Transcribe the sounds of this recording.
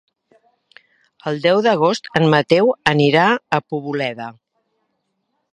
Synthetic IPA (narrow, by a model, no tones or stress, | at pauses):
əlˠd̪ɛwðəɣ̞ost̪ənmət̪ɛwəniɾaəpuβulɛðə